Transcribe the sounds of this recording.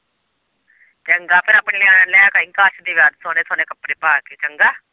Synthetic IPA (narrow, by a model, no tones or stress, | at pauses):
t͡ʃəŋɡaːpʰɪɾaːpɳẽːleãːnãlɛːkaɪŋkaːʃd̪iːʋjaːd̪soːneːsoːneːkəpːɾeːpaːkeːt͡ʃəŋɡaː